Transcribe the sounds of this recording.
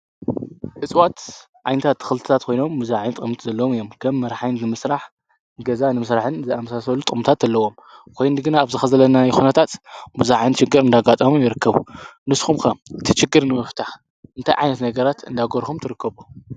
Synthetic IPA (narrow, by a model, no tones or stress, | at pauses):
ħɨt͡sʼwat̪ | ʕajnɐt̪ʰat̪ʰːɨ̥xɨlt̪ɨ̥t̪ʰat̪̚kʰo̞jno̞mːuzaʕajnt̪ʼʔɨmt̪zɐlːɐwomɨjːo̞mkʰɐmːɐɾħajnnɨmɨsɾaħ | ɡɐzanɨmɨsɾaħɨnzɨamɐsasɐlːut̪ʼmt̪ʰat̪zɐlːɐwo̞m | kʰojnɨɡɨnaːβzɨxɐzɐlɐnajxunɐt̪ʰat̪muzaʕajnt͡ʃɪɡːɨɾɨnd̪aɡat̪ʼɐmumjɪɾɨkʰːɐβunɨsxumkɐmʔɨt̪ʰit͡ʃɪɡːɨɾnɨmɨft̪ʰaħ | ʔɨnt̪ʰajʕa̰jnɐt̪nɐɡɐɾat̪ɨnd̪aɡoɾxumt̪ʰɨɾɨkːɐβu